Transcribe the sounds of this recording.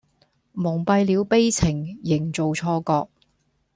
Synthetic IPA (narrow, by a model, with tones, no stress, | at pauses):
mʊ˨˩ŋpɐ˧jliː˨˥wpe˥jt͡sʰɪ˨˩ŋjɪ˨˩ŋt͡so˨wt͡sʰɔː˧kɔː˧k̚